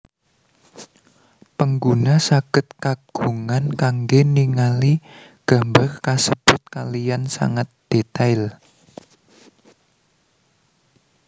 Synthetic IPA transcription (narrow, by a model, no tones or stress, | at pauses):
pəŋɡunasaɡ̥ə̤t̪̚kaɡ̥ṳŋankaŋɡeniŋaliɡ̥a̤mbarkasəb̥ʊt̪̚kalijansa̰ŋat̪̚d̪̥et̪aɪl